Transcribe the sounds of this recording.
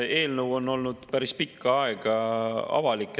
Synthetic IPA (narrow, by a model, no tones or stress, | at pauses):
e̞ːlnəwo̞nːo̞lnud̪̥pæɾispikːɑɑeɡ̥ɑɑ̰vɑlikːˑe